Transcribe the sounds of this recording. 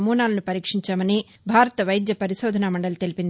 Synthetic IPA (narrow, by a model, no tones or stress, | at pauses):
muːnaːlɐnupɐɾiːkʂiɲt͡ʃaːmɐniː | bʱaːɾɐt̪ɐʋɐjd̪jɐpɐɾiʃoːd̪ʱɐnaːmɐɳɖɐlɐt̪e̞lipind̪i